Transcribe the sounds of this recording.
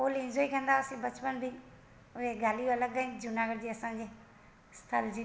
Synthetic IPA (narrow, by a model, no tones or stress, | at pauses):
oːlɪ̃nd͡ʒoːikə̃nd̪aːsĩbɐt͡ʃpənbʱi | ʊɦeɡaːlijõɐləɡaːĩd͡ʒʊnaːɡəɽd͡ʑeːɐsãɲd͡ʑeː | st̪ʰəld͡ʑi